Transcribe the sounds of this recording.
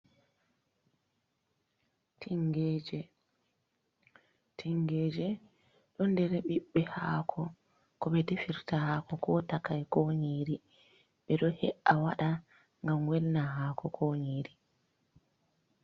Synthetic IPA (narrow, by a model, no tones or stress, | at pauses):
tʰiŋɡɛd͡ʒɛ | tʰiŋɡeːd͡ʒɛ | ɗɔndɛɾɛɓiɓːɛhaːkʰɔ | kɔɓɛdefiɾtahaːkɔkʰɔtakajkoɲiːɾi | ɓɛɗɔhɛʔawaɗa | ŋɡamwɛlnaɦaːkʰɔkʰɔɲiːɾi